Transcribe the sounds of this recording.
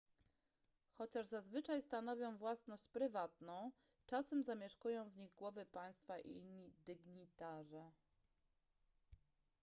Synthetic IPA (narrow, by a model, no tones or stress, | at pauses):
xɔt͡ɕaʐzazvɘt͡ʂajst̪anɔvʲjɔ̃w̃vwasnɔɕt͡ɕpɾɘvat̪nɔ̃w̃ | t͡ʂasɛmzamʲjɛʂkujɔ̃w̃vɲiɣɡwɔvɘpaj̃st̪faʔḭɲːid̪ɘɡɲit̪aʐɛ